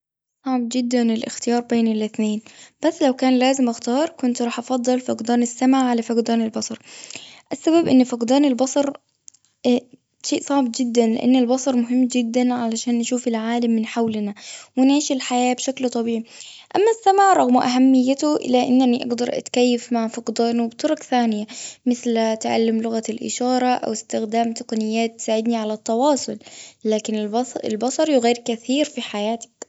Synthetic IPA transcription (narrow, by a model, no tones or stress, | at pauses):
sˤɑʕbd͡ʒɪd̪ːænɪlʔɪxt̪ɪjɑːɾˤbeːnɪlʔɪθneːnb̥æsːlawkæːnlæːzɪmʔaxt̪ɑːɾˤkʊnt̪ɾˤɑːħʔɑfɑd̪ˤːɑlfɑqd̪ɑːnɪsːamʕaʕʕalafɑqd̪æːnɪlbɑsˤɑɾˤʔasːabæbʔɪnːfɑqd̪ɑːnɪlbɑsˤɑɾˤ | ʃeːʔsˤɑʕb̚d͡ʒɪd̪ːænlɪ̰ʔa̰nːɪlbɑsˤɑɾˤmʊɦɪmːd͡ʒɪd̪ːænʕalaʃæːnʔaʃuːfɪlʕaːlamːɪnħawlnawɪnʕiːʃɪlħajaːbʃaklt̪ˤɑbiːʕiʔamːasːamaʕɾˤɑɣmʊʔaɦamːɪjːat̪ʊʔɪ̰lːaʔɪ̰nːaniʔɑ̰ɡd̪ɑɾˤʔa̰t̪kajːafmaʕfɑqd̪ˤɑːnwbt̪ˤɑɾˤʊkθaːnɪjamɪθlt̪ʕa̰lːɪmlʊɣalʔɪ̰ʃɑːɾˤɑʔa̰wɪst̪ɪxd̪aːmt̪aqɑnɪjːaːt̪ːɪ̥saːʕɪd̪niʕalat̪ˤːɑwɑːsˤʊllaːkɪnɪɪ̰lbɑsˤɑɾˤjʊɣaːɾkaθiːɾfiħajaːt̪ḁk